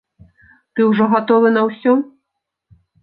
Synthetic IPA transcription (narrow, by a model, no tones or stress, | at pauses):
t̪ɨwʐɔɣat̪ɔvɨnɐwsʲɔ